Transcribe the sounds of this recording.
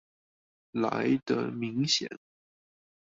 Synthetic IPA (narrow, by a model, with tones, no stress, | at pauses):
la̰˧˥ɪd̪ə̰˧mi˧˥ŋɕjɛ̰˨˩˦n